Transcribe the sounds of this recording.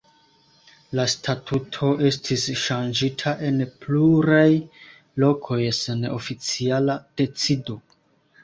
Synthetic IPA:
lastʰatʰutʰo̞ʔe̞stʰisʃand͡ʒitʰaʔe̞npluɾaj | lo̞kʰo̞jseno̞fit͡sialad̥e̞t͡sido̞

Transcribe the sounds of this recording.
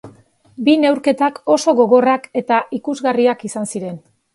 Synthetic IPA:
bine̞wɾke̞t̪ako̞so̞ɣo̞ɣo̞rake̞t̪aʔikuzɣariakisansiɾe̞n

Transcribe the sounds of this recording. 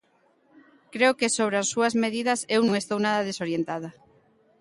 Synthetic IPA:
kɾeokesoβ̞ɾeasːuazmeð̞iðɐsewnõŋest̪ownaðɐðesoɾjent̪að̞a

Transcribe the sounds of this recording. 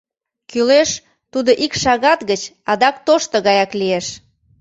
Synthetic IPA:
kyleʃ | t̪ud̪oʔikʃɑɣɑt̪ɣət͡ɕ | ɑd̪ɑk̚t̪oʃt̪əɣɑjɑklieʃ

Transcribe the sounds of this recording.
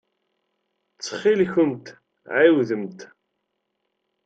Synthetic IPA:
t͡sːə̥χilçʊmt̪ | ʕiwðəmt̪

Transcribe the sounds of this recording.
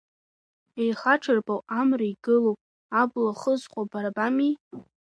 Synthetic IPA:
ejχaʈ͡ʂʰɨrbawamraiɡɨlowpʼ | ablaχəzqʷʼabaɾabami

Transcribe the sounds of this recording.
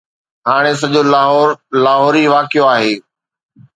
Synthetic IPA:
ɦaːɽ̃es̬ɐʄoːlaɦɔːɾlaːɦɔːɾiʋaːkɪjoaːɦeː

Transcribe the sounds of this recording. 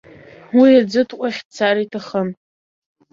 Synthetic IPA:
wiad͡zɨtʰqʷʼaχʲtt͡sʰaɾaitʰaχən

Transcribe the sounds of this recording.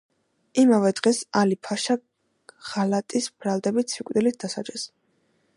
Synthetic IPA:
imavɛd̪ʁɛsalipʰaʃa | ʁ̥alat̪ʼisb̥ɾalˠd̪ɛbit̪sʰikʼd̪ilit̪̚ʰd̪̥asa̰d͡ʒʼɛs

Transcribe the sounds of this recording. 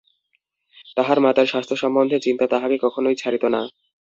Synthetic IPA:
t̪aɦaɾmat̪aɾʃast̪ʰoʃɔmbond̪ʱet͡ɕint̪at̪aɦamikɔkʰonojt͡ɕʰaɾit̪ona

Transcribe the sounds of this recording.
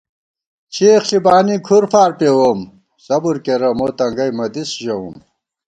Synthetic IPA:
t͡ɕʰixɬibaːnikʰuɾfaːɾpewom | sɐbuɾkeɾɐmot̪ɐŋɡɐjmɐd̪isʑɐwṵm

